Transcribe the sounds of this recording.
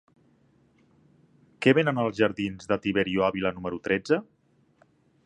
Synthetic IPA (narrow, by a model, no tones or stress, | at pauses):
kɛβenənəlˠzʒəɾðinzðət̪iβeɾioaβilənuməɾut̪ɾɛd͡zə